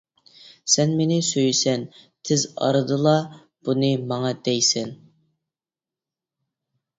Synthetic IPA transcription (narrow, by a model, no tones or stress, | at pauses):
sɛnmenɪsøjysɛnt̪ʰɪzɑ̰ɾɨd̪ɨlˠɑ | b̥unɨmɑŋɑd̪ɛjsɛn